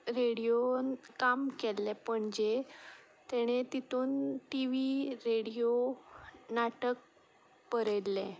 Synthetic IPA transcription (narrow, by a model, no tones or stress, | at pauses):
ɾeɽijokamkelːepəɳd͡ʑe | t̪eɽ̃et̪it̪uːnʈiʋiɾeɽijo | naʈək̚ | pəɾəlːẽ